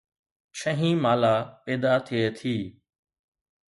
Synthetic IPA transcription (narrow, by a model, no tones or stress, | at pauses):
t͡ʃʰə̃ɦĩːmaːlaːpɛːd̪aːt̪ʰɪeːt̪ʰiː